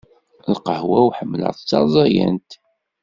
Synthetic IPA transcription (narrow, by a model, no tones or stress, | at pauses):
lqəhwæwħəmːlə̰ʁðt͡sːɑzˤɑjæ̰nt̪